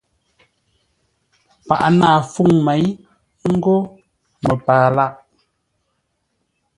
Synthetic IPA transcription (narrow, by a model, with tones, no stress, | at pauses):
pa̰˨ʔnaː˦˨fu˦˨ŋmɛ˨˦j | ŋ̩˦ɡo˦ | mə˨paː˨la˦˨ʔ